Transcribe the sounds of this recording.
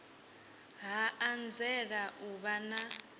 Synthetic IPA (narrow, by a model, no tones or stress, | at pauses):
ɦaand͡zɛɺaʔuβana